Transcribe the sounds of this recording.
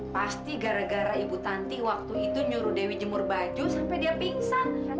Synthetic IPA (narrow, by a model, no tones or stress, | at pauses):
past̪iɡaɾaɡaɾaibut̪ant̪iwak̚t̪uit̪uɲuɾudewid͡ʒəmʊrbad͡ʒusampajdiapiŋsan